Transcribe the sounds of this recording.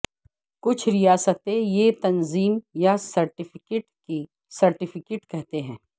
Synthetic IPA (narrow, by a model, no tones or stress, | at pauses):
kʊt͡ʃʰɾijaːsət̪ejet̪ɐnziːmjasɐɾʈɪfʰɪkeːʈki | sɐɾʈɪfʰɪkeːʈkɛɦt̪eɦɛ̃ː